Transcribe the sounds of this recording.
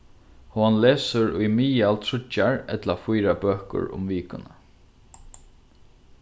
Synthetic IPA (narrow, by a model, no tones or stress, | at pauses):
hɔnleːsəɾʊjmiːalt̪ʰɹʊt͡ʃːaɹɛ̰t̪lafʊjɾabøːhkʊ̰ɹʊ̰mʋiːkʊnə